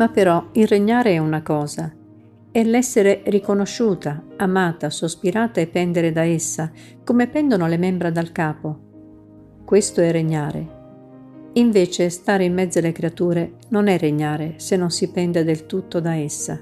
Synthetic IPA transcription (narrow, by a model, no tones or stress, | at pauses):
mapːeɾɔilreɲːaːɾeɛunakɔːza | ɛlɛsːeɾerikonoʃːuːt̪aamaːt̪asospiɾaːt̪aepːɛnd̪eɾed̪aesːa | komepɛnd̪onolemɛmbɾad̪alkaːpo | kwest̪oɛreɲːaːɾḛ | iɱveːt͡ʃest̪aːɾeimːɛd̪zːalekɾeat̪uːɾe | nonɛrːeɲːaːɾesenːonsipɛnd̪ed̪elt̪ut̪ːod̪aesːa̰